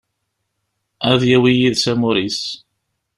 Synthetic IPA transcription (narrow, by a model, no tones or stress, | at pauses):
æðjæwijiðsæmʊɾis